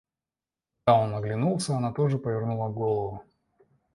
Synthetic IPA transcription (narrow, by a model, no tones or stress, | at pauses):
d̪ao̞nːəɡlʲɪnulˠsʲəɐnat̪o̞ʐɨpəvʲɪrnulˠəɡo̞lˠəvʊ